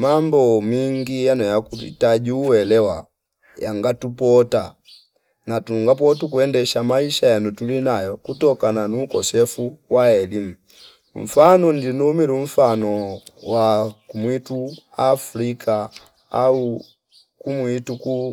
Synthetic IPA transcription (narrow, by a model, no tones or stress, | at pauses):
mambɔmiŋɡijanɔjakutḭtaɟuːwɛlɛwa̰ | jaŋɡatupɔta | natuŋɡap̬ɔtukuɛndɛʃamaiʃajɛnutulinajɔkutɔkananuːkɔsɛfuwaɛlimu | ɱ̩fanɔndinumiluɱ̩fanɔwakumituafɾika | au | kumwituku